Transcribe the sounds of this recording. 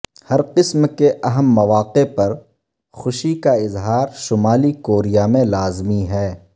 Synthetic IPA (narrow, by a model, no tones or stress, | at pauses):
hɐɾqɪsmkeʔɐɦəmːɐʋaːqepɐɾ | xʊʃikaɪzɦaːɾʃʊmaːlikoːɾijamẽlaːzmiɦɛː